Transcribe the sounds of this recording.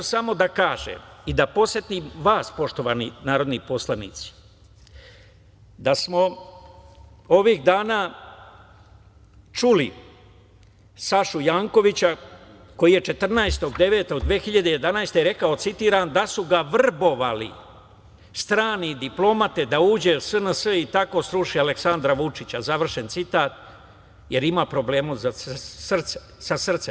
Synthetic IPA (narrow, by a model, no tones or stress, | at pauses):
samo̞d̪akaːʒḛmid̪apo̞set̪imʋaːspo̞ʃt̪o̞ʋaːnḭnaːɾo̞d̪nipo̞slˠanḭːt̪si̥ | d̪asmo̞ | oʋiɣd̪aːnaː | t͡ʃuli | saʃujaːŋko̞ʋit͡ɕa | ko̞jije̞t͡ʃe̞t̪r̩naest̪o̞ɡd̪e̞ʋe̞ːt̪o̞ɡd̪ʋeːxiʎad̪eje̞d̪anaest̪e̞ɾe̞kao̞t̪sit̪iːɾand̪asuɡaʋr̩bo̞ʋalḭ | st̪ɾaːnid̪iplo̞mat̪e̞d̪auːd͡ʑe̞usənəsəit̪ako̞sɾuʂialeksand̪ɾaʋut͡ʂit͡ɕazaʋr̩ʃe̞nt̪sit̪aːt̪ | je̞ɾimapɾo̞ble̞ːmuzassr̩t̪se | sasr̩t̪se